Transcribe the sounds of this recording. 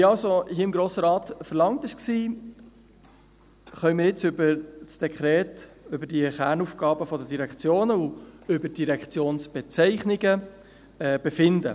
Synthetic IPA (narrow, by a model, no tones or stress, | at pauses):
iɑlsohiəɪmɡɾoːsəɾɑːt̪fəɾlɑŋt̪ɪʃksiː | χœʏmɪːɾjɪt͡sʏbəsd̥ɛkʰχɾɛːtʏbəɾdiəχæɾnufɡ̥ɑːbəfɔdədiɾɛkt͡sjoːnəuʏbəɾd̥iɾɛkχt͡sjoːnsb̥ɛt͡sɛɪχnɪɡə | ɛːb̥ɛfɪnd̪ə̰